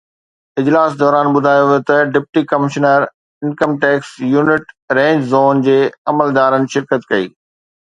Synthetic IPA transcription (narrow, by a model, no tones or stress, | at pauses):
ɪd͡ʑlaːsd̪ɔːɾaːnɓʊd̪ʱaːjoʋot̪ɐɖɪp̚ʈikɐmɪʃnəɾ | ɪ̃nkəmʈɛːksjuːnɪʈ | ɾẽːɲd͡ʑzoːnd͡ʑeːɐməld̪aːɾənɪ̆ʃɪɾkət̪kɐḭː